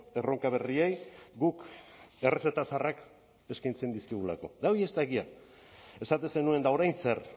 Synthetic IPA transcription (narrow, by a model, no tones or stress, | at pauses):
e̞ro̞ŋkaβ̞e̞riejɡuke̞re̞set̪asarak | e̞skajnt͡se̞nd̪iskiɣ̞ula̰ko̞̰d̪aojest̪aɣia | e̞sat̪ese̞nue̞nd̪ao̞ɾajnse̞r